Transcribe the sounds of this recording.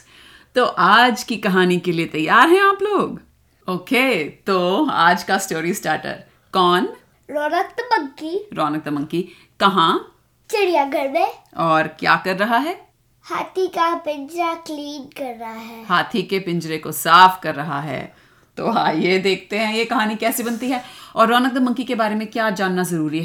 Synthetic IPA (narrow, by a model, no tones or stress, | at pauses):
t̪oːʔaːd͡ʒkikɐɦaːnikeliet̪ɐjːaːɾɦɛ̃aːploːɡ | oːkeːt̪oːa̰ːd͡ʒkasʈoːɾisʈaːɾʈə̰ɾ | kɔːn | ɾɔːnək̚t̪mɐ̃ŋkiɾɔːnək̚t̪mɐ̃ŋki | kɐɦãː | t͡ʃɪɽijaɡɐɽbẽɔːɾkja̰ːkɐɾːɐɦaɦɛː | haːt̪ʰikapɪ̃ɲd͡ʒɾakliːnkɐɾːɐɦaɦɛːhaːt̪ʰikepɪ̃ɲd͡ʒɾekosaːfkɐɾːɐɦa̰ɦɛ̰ː | t̪o̰ːɦãjed̪eːkʰt̪eɦɛ̃jekɐɦaːnikɛːsebɐnt̪iɦɛːɔːɾːɔːnək̚d̪mɐ̃ŋkikebaːɾemẽkjaːd͡ʒaːnːazɐɾuːɾiɦɛː